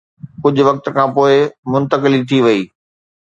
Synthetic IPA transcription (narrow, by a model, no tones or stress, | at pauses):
kʊd͡ʑʱʊ̆ʋɐk̚t̪̆kʰãːpoːɪmʊ̃nt̪əkɪlit̪ʰiʋɐiː